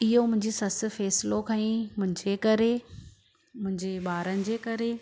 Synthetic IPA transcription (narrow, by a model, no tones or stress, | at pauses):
ɪɦomʊ̃ɦɪ̃ɲd͡ʑesɐsɪ̆fɛːsɪlokʰɐ̃ĩːmʊ̃ɦɪ̃ɲd͡ʑekɐɾe | mʊ̃ɦɪ̃ɲd͡ʑeɓaːɾənɪ̆d͡ʑeːkɐɾe